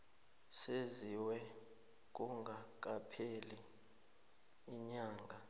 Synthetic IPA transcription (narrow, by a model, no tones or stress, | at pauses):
seziwɛ | k̬uŋɡʱak̬ʼapʰeli | ɲaːŋɡʱa